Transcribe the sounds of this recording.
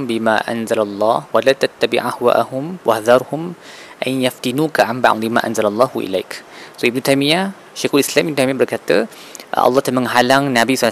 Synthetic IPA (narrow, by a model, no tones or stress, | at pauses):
mbima̰ʔa̰nzalalˤːɑ̰hwalat̪at̪ːabḭʕahwa̰ʔahʊmwʔahðɑɾˤhʊm | ʔanjaft̪inukaʕamba̰ʔlimã̰ːʔanzalalˤːɑːhuʔḭla̰jksoʔib̚nut̪ajmija | ʃexolislamʔibnut̪ajmĩjabərkat̪ə | ʔɑ̰lˤːɑht̪alməŋɦalaŋnabisal